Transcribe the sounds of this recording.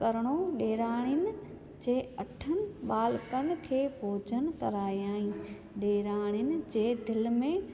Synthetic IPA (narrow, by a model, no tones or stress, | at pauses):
kɐɾɽ̃oɗeːɾaːɽ̃ʊnɪ̆ | d͡ʑeːɐʈʰənɪ̆ɓaːlkənɪ̆kʰeːbʱoːd͡ʑʱənkɐɾaːiaːɦĩ | ɗeːɾaːɽ̃jɪnɪ̆d͡ʑeːd̪ɪlmẽ